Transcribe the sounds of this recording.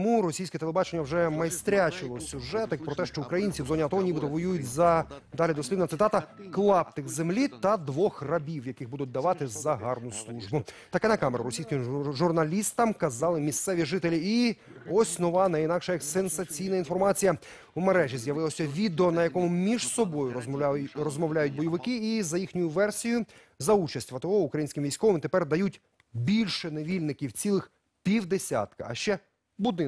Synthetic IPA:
muɾɔsʲijsʲkɛt̪elˠebɑt͡ʃenʲːɐwʒɛmɐjst̪ɾʲat͡ʃɪlˠɔsʲuʒɛt̪ɪk̚pɾɔt̪ɛʃt͡ʃɔukɾɐjinʲt͡sʲiwzɔnʲiɐt̪ɔɦɔnʲibɪt̪ɔʋɔjujʊt̚ʲzɐd̪ɑlʲid̪ɔsʲlʲibnɐt̪sɪt̪ɑt̪ɐklˠɑp̚t̪ɪxzemlʲit̪ɐd̪ʋɔxrɐbʲiwjɐkɪɣbud̪ʊt̚ʲd̪ɐʋɑt̪ɪzɐɦɑrnʊslˠuʒbʊt̪ɐkɛnɐkɑmeɾɐɾɔsʲijsʲkɪmʒurnɐlʲist̪ɐmkɐzɑlˠɪmʲist̪sɛʋʲiʒɪt̪elʲii | ɔsʲnɔʋɑnɐinɑkʃɛjɐksensɐt͡sʲijnɐinfɔrmɑt͡sʲijɐ | umeɾɛʒizjɐʋɪlˠɐsʲɐʋʲid̪eɔnɐjɐkɔmʊmʲiʒsɔbɔjʊrɔzmɔʋlʲajʊt̚ʲbɔjiʋɪkɪizɐjixnʲʊjʊʋɛrsʲijʊ | zɐut͡ʃɐsʲtʲʋɐt̪ɪɦɔʊkɾɐjinʲsʲkʲɪmʋʲijsʲkɔʋɪmt̪epɛrd̪ɐjutʲ | bʲilʲʃɛneʋʲilʲnɪkʲiwt͡sʲilˠɪx | pʲiwd̪esʲa̰t̪kɐɐ̰ʃt͡ʃɛ | bʊd̪ɪ

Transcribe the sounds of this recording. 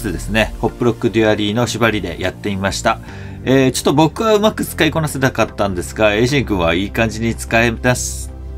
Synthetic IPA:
t̪ed̪e̞sɨne̞ho̞pːɯɾo̞kːɯ̟d̪ɯaɾʲiːno̞ɕibaɾʲid̪e̞̰jat̪ːe̞imaɕi̥t̪a | eːt͡ɕo̞̥t̪ːobo̞kɯ̟βaɯ̟makɯ̟t͡sɨ̥kaiko̞nase̞t̪akat̪ːãnd̪e̞sɨɡae̞ːʑĩŋɡɯ̟̃ɰ̃βaiːkãɲ̟d͡ʑiɲ̟it͡sɨ̥kaemasɨ̥

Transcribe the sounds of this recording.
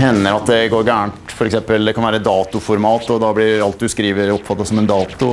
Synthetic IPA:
hɛnːəɾɑt̪̚d̪ɛɡoːɾɡæːɳt̪fɔɾɛksɛmpəld̪ɛkʰɑnʋæːɾəd̪ɑːt̪ʊfɔɾmɑːt̪ɔd̪ɑblɪɑlt̪̚d̪ʉskɾiːʋəɾɔpːfɑt̪ːɑsɔmɛnd̪ɑːt̪ʊ

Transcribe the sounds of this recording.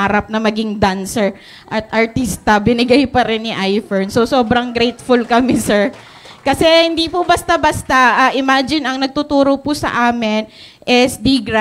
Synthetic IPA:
aːɾɐp̚nɐmɐɡɪŋd̪ansɛɹ | ʔɐt̪̚ʔɐɹt̪ist̪ɐbɪnɪɡajpɐɾɛnːɪʔajfɛɹnsosoːbɾɐŋɡɾɛjt̪fʊlkɐmɛsɛɹ | kɐsɛhɪnd̪ipʊbɐst̪abɐst̪aʔɐʔɪmaːd͡ʒɪnɐŋnɐɡ̚t̪ʊt̪uːɾopʊsɐ̰ʔaːmɪn | ʔɛsd̪iɡɾa

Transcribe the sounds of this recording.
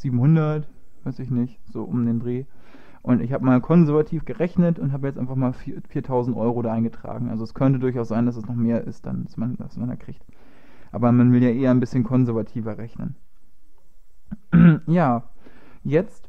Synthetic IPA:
z̥iːbm̩hʊndɐtv̥aɪsɪçnɪçz̥o̰ːʔʊmdeːndʁeː | ʔʊntɪçhaːbəmaːlkʰɔnzɛɐvatʰiːfɡ̥əʁɛçnətʊnthɦaːbəjɛt͡stʔaɪnfaχmaːlfiːɐfiːɐtʰaʊzn̩tʔɔʏʁodaʔaɪnɡətʁ̥a̰ːɡŋ̩ʔa̰lzoɛskʰœntədʊɐçaʊszaɪndas̬ɛsnɔχmeːɐʔɪstd̥a̰nasmanda̰smanda̰ːkʁ̥iːçt | ʔa̰ːbɐmanvɪljaːʔeːɐnbɪsçənkʰɔnzɛɐvatʰiːvɐʁɛçnə̰n | jaː | jɛt͡st

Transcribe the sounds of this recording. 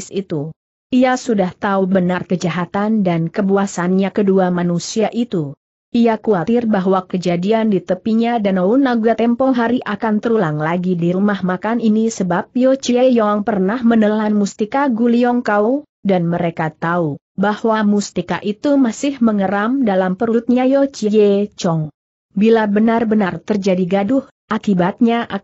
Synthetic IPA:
sit̪u | ʔiasudaht̪aubənarkəd͡ʒaɦat̪andankəbuasanɲakəduamanusiaʔit̪u | ʔiakuat̪ɪrbaɦwakəd͡ʒadiandit̪əpiɲadanaunaɡat̪ɛmpɔŋɦaɾiʔakant̪əɾulaŋlaɡidiɾumahmakaninisəbap̚jot͡ʃiejɔaŋpərnahmənəlanmust̪ikaɡuliɔŋkau | danməɾekat̪au | bahwamust̪ikaʔit̪umasɪhməŋəɾamdalampəɾuut̪̚ɲajɔt͡ʃijet͡ʃɔŋ | bilabənarbənart̪ərd͡ʒadiɡadʊh | ʔakibat̪̚ɲaʔ

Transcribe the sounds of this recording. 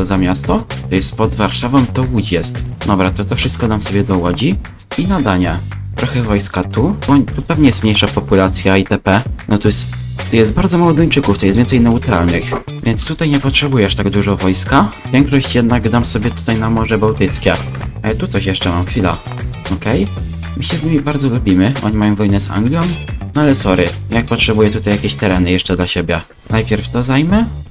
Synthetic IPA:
ɔzamʲjast̪ɔt̪ɔjɛst̪pɔd̪vaɾʂavɔmt̪ɔwud͡ʑjɛst̪d̪ɔbɾat̪ɔt̪ɔfʂɘst̪kɔd̪amsɔbʲjɛd̪ɔwɔd͡ʑi | inad̪aɲɛt̪ɾɔxɛvɔjskat̪uɔt̪upɛvɲɛjɛst̪mɲejʂapɔpulat̪sʲjait̪ɛpɛnɔt̪ɔjɛst̪ | t̪ːɔjɛst̪baɾd̪zɔmawɔd̪ɔɲt͡ʂɘkuft̪ɔjɛsvʲɛnsɛjnɛut̪ɾa̰lnɘxvʲjɛnt̪st̪ut̪ajɲɛpɔtʂɛbujɛʂt̪aɡd̪uʐɔvɔjskavʲjɛŋkʂɔɕt͡ɕjɛd̪̚naɡd̪amsɔbʲjɛt̪u̥t̪ajnamɔʐɛbawt̪ɘt̪skʲɛalɛt̪ut̪sɔɕjɛʂt͡ʂɛmamxfʲila̰ | ɔkɛj | mɘɕɛzɲimʲibaɾd̪zɔlubʲimɘʔɔ̰ɲimajɔ̃vɔjnɛza̰ŋɡlʲjɔmnɔalɛsɔɾɘjak̚pɔtʂɛbujɛt̪ut̪ajakʲeɕt̪ɛɾɛnɘjɛʂt͡ʂɛd̪laɕebʲjɛ | najpʲjɛɾft̪ɔzajmɛ

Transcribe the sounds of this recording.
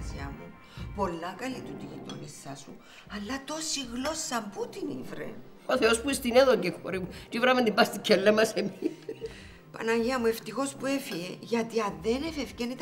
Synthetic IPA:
siɐmu | po̞lːɐkɐlit̪ut̪iɣit̪onisːɐsu | ɐlːɐt̪osiɣlo̞sːɐmput̪inivɾḛ | oθeospuist̪ineðoɟexoɾimutivɾɐmend̪imbɐst̪ikʰːelːemːɐsemi | pɐ̰nɐʝiɐmue̞ft̪ixo̞spuefieʝɐt̪iɐðenefefcenit̪

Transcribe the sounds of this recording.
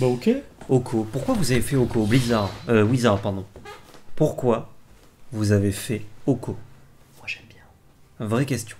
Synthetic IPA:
baokʲeokʰopuʁkwavuzavefɛokoblizaʁøwizaʁpaʁd̪ɔ̃puʁkwa | vuzavefɛokʰomwaʒ̥ɛmbjɛ̃ | vʁɛkʲɛst̪jɔ̃

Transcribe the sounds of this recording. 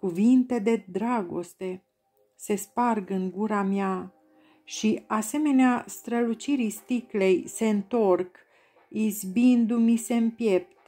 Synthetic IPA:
kuvint̪e̞d̪e̞d̪ɾaɡo̞̰st̪e̞ | se̞sparɡɨŋɡuɾamja | ʃiase̞me̞neast̪ɾəlut͡ʃiɾist̪ikle̞jse̞ɨnt̪o̞rk | izbind̪umise̞ɨmpje̞p̚t̪

